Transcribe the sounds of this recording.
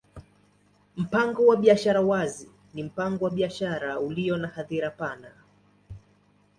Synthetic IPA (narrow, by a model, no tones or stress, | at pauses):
m̩paŋɡɔwaɓiaʃaɾawazi | nim̩paŋɡɔwaɓiaʃaɾauliɔnahaðiɾapana